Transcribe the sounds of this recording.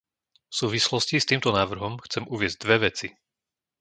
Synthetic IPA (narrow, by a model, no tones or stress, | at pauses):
fsuːʋislɔscist̪iːmt̪ɔnaːʋr̩ɦɔmxt͡sɛmuʋɪɛzɟd̪ʋɛʋɛt͡si